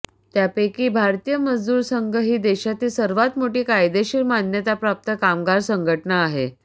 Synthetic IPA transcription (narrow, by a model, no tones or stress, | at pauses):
t̪japekiːbʱaɾt̪ijəməd͡zd̪uːɾsəŋɡʱəɦiːd̪eɕat̪iːsəɾʋat̪moʈiːkajd̪eɕiːɾmanjət̪apɾap̚t̪əkamɡaɾsəŋɡʱəʈnaːɦe